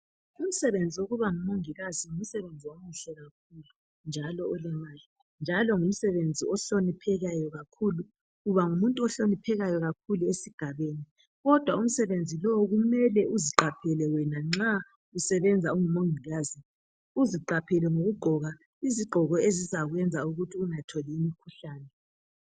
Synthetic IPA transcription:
um̩sɛβend͡zʱioɣuβaŋumoŋiɣaziŋum̩sɛβend͡zʱiwomuɬɛɣak̚ʰuːlu | nd͡ʒʱalɔɔlɛmaːli | nd͡ʒʱalɔŋum̩sɛβend͡zʱiɔɬonipʰɛɣajɔɣakʰuːlu | ɣuβaŋumuntʼuɔɬonipʰɛɣajɔɣakʰuluesiɡ̥ʱaβeːni | ɣɔd̥ʱwaum̩sɛβend͡zʱilɔwɣumɛlɛuziǃapʰɛlɛwɛnaŋ͡ǁa | usɛβɛnd͡zʱauŋumoŋʱiɣazi | uziǃapʰɛlɛŋoɣuɡ͡ǃʱɔɣa | iziɡ͡ǃʱɔɣɔezizaɣwɛnd͡zʱauɣutʰiuŋatʰɔliimikʰuɬaːnɛ

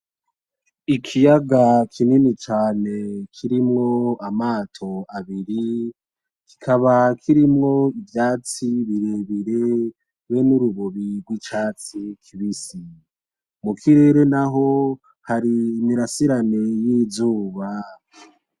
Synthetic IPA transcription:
ikʰijaɡakʰininit͡ʃaːne̞kʰiɾimŋo̞amaːtʰo̞aβiɾi | ki̥kʰaβakʰiɾimŋo̞ivjaːt͡siβiɾeβiɾe | wenuɾuβoβiɾɡwit͡ʃaːt͡sikʰiβisi | mukʰiɾe̞ɾe̞naɦo̞ | haɾiːmiɾasiɾane̞jiːzuːβa

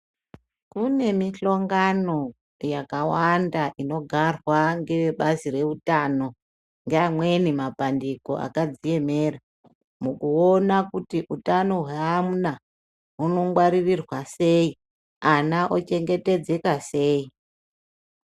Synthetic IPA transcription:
kune̞miɬo̞ŋɡano̞ | jakawandaʔino̞ɡʱarwaŋɡe̞ʋeɓazire̞utano̞ | ŋɡeamwe̞nimapandiko̞̰ʔa̰kad͡zije̞me̞ːra | mukuonakutiʔutano̞ɦweamuna | uno̞ŋɡwaɾirirwase̞i | anaʔot͡ʃe̞ŋɡe̞te̞d͡ze̞kase̞ːi

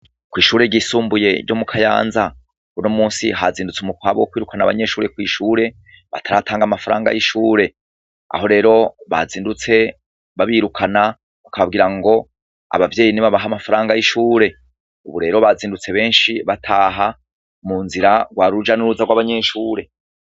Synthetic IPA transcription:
kwiːʃuːɾe̞ɟisuːmbuje̞ɟo̞mukʰaja̰ːnza | unomuːnsiɦaziːndut͡sumukwaːβokwiːɾukanaβa̰ɲe̞ʃuːɾe̞kwiːʃuːɾe̞ | βa̰tʰaɾatʰaːŋɡamafaɾaːŋɡa̰jiʃuːɾe̞ | a̰ɦo̞ɾe̞ːɾo̞βa̰ziːndut͡se̞ | βaβiːɾukʰana | ukaβabɡiːɾaŋɡo̞ | a̰βavje̞ːjiniβaβaɦamafaɾaːŋɡajiʃuːɾe̞ | uβuɾe̞ːɾo̞βaziːndut͡se̞βe̞ːnʃiβatʰaːɦa | muːnziɾaɡwaːɾud͡ʒanuɾuzaɡwaβaɲe̞ʃuːɾe̞

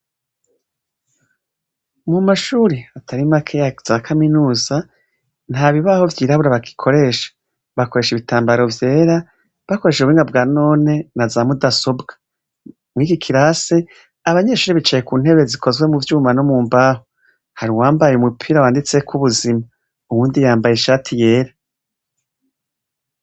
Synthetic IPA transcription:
mumaʃuːɾiatʰaɾimakʰejaz̥akʰaminuːza | n̥haːβiβaho̞vjiːɾaβuɾaβaki̥kʰo̞ɾe̞ːʃḁ | βako̞ɾe̞ʃiβitaːmbaɾo̞vje̞ːɾa | βako̞ɾe̞ːʃeuiːŋɡabɡaːno̞ːne̞nazaːmudasobɡa | mŋiːkikʰiɾase̞ | aβaɲe̞ʃuːɾiβit͡ʃaje̞kuːn̥he̞βe̞zikʰo̞zwe̞muvjuːmano̞muːmbaɦo | haɾiwaːmbajeumupʰiːɾawaːndit͡se̞kuβuzima | uwuːndijaːmbajeʃaːtʰije̞ːɾa

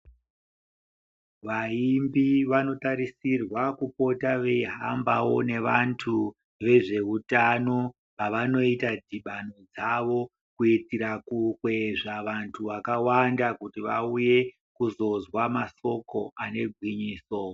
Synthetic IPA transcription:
ʋaimbiʋano̞taɾisirwakupo̞taʋe̞ɦambawo̞ne̞ʋantʰu | ʋe̞ʐe̞utano | paʋano̞itad͡ziɓano̞d͡zaʋo̞ | kuitiɾakukwe̞ʐaʋantʰuʋakawandakutiʋa̰uje̞ | kuzo̞zwamaso̞ko̞ʔane̞ɡʱwiɲiːso̞

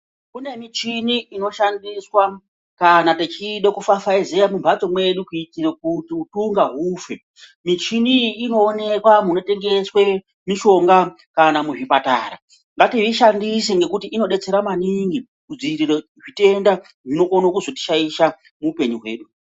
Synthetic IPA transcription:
kune̞mit͡ʃiniino̞ʃandiswa | kanatet͡ʃiɗokufafaizejamumbʱat͡so̞mwe̞ɗukutiek̚utiutuŋɡaɦuːfe | mit͡ʃiniino̞ːne̞kwamuno̞te̞ŋɡe̞swe | miʃo̞ŋɡa | kanamuʐipata̰ːɾa̰ | ŋɡatiɦiʃandiseŋɡe̞kutiʔino̞ɗe̞t͡se̞ɾamaniŋɡi | kud͡ziriroʐite̞nda | ʐino̞konokuzo̞ti̥ʃaiʃa | muːpe̞ɲuɦwe̞̰ːɗu

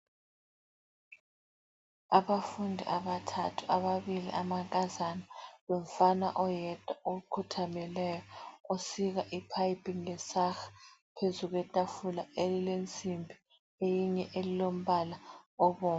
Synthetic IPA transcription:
aβafundʱḭʔaβatʰatʰu̥aβaβilḭʔamaŋkʼazanaβɔm̩fana̰ʔɔjɛtʼaoɣukʰutʰamɛlɛjɔosiɣaʔipʰajipʰʼiŋlɛsaxpʰezuɣ̬wɛtʼafulaelilent͡sʼimbʱi | ejiɲɛʔelilom̩βalaɔβɔː

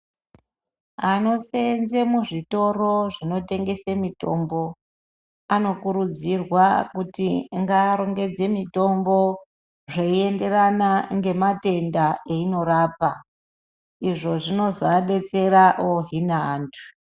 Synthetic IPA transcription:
ano̞senze̞muʐito̞ro̞ʐino̞te̞ŋɡe̞semito̞mbo̞ | ano̞kuɾud͡zirwakutiŋɡaːɾo̞ŋɡe̞d͡ze̞mito̞mbo̞ | ʐeie̞nde̞ranaŋɡe̞mate̞ndaeino̞ɾaːpa | iʐo̞ʐino̞zaɗe̞t͡se̞ɾaʔoɦinaːntʰu̥

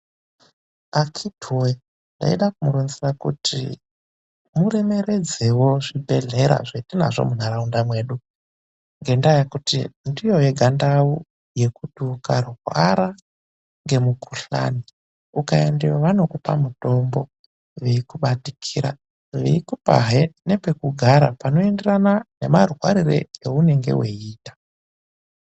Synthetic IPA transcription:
akʰidʱuwe | nda̰iɗakumuɾunzirakutʰḭ | muɾeme̞ɾe̞d͡zewoʐibʱe̞ɮe̞ɾa̰ʐetina̰ʐo̰munaɾaundamwe̞ːɗu | ŋɡe̞ndajakutḭndijo̞je̞ɡʱandawu | je̞kuɗukaruɦwa̰ɾa | ŋɡe̞mukʰuɬa̰ni | ukaendiwaʋano̞kupa̰muto̞mbo̞ | ʋeikuɓatikʰiɾa̰ | ʋḛikupa̰ɦene̞pe̞kuɡʱaɾa̰pano̞enderanane̞marɦwa̰ɾirḛeune̞ŋɡe̞̰weiːtḁ

